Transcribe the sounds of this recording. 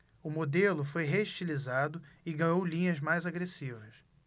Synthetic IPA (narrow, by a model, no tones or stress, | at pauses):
ʊmod̪elʊfojɦeiʃt͡ʃilizad̪ʊɪɡɐ̃jowlĩɲɐzmajzaɡɾesivɐs